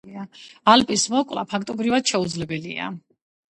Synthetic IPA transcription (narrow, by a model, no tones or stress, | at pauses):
aalpʼismɔkʼla̰pʰakʰt̪ʼɔbɾivad̪̥ʃɛud̪zlɛbɛlḭa̰